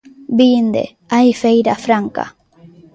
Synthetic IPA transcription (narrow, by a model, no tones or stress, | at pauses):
bind̪ḛ | ajfejɾafɾaŋka̰